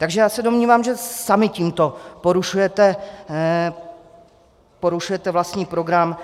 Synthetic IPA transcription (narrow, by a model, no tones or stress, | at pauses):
t̪aɡʒɛjaːsɛdo̞mɲiːvaːmʒɛsamɪciːmt̪o̞po̞ɾuʃujɛt̪ɛ | po̞ɾuʃujɛt̪ɛvlast̪ɲiːpɾo̞ɡɾam